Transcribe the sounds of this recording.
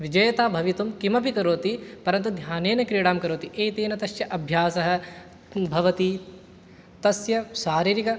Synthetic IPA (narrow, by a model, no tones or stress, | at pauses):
ʋid͡ʒɐjɐt̪aːbʱɐʋit̪umkimɐbʱikɐɾoːt̪ipɐɾɐnt̪ud̪ʱjaːneːnɐkɾiːɽaːmkɐɾoːt̪iʔeːt̪eːnɐt̪ɐʃjɐʔɐbʱjaːsɐɦɐ̆ | bʱɐʋɐt̪i | t̪ɐsjɐʃaːɾiːɾikɐ